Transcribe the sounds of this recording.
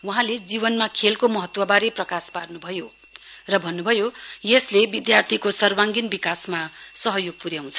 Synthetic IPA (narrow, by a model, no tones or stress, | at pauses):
wuɦãled͡zibʌnmakʰelkomʌɦʌt̪wʌbaɾeprʌkasparnubʱʌjo | rʌbʱʌnːubʱʌjojeslebid̪jart̪ʰikosʌrwaŋɡinbikasmasʌɦʌjoɡ̚puɾjaw̃t͡sʰʌ̥